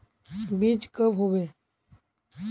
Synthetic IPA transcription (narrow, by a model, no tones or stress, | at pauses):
biːd͡ʒkəbɦoʋe